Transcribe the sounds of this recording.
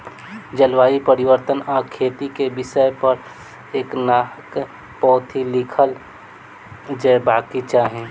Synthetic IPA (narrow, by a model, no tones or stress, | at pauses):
d͡ʒəlwaːipəɾɪwəɾt̪ənaːkʰeːt̪ikebɪsəpəɾ | eːknaːɦk | pɔːt̪ʰilɪkʰəl | d͡ʒɛːbaːkit͡ʃaːɦẽ